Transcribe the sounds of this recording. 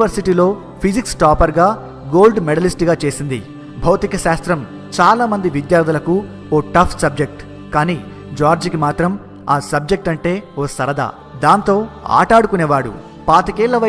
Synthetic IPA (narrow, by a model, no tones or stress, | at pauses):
ʋɐɾsiʈiːlo̞ː | pʰid͡ʒiksʈaːpɐɾɡaː | ɡoːlɖmɛɽɐlisʈɡaːt͡ʃe̞ːsind̪ḭ | bʱɐwt̪ikɐʃaːst̪ɾɐm | t͡ʃaːlaːmɐnd̪iʋid̪jaːɾt̪ʰulɐku | oːʈɐpʰsɐb̚d͡ʒek̚ʈ | kaːniː | d͡ʒaːɾd͡ʒkimaːt̪ɾɐm | aːsɐb̚d͡ʒek̚ʈɐɳʈe̞ːoːsɐɾɐd̪a̰ː | d̪aːnt̪o̞ːa̰ːʈaːɽukuneːʋaːɽṵ | paːt̪ɐkiːlːɐʋɐ